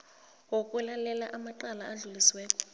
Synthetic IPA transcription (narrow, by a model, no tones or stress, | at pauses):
wokʼɛlalɛla̰ʔamaǃalaaɮuliswɛːkʼɔ̥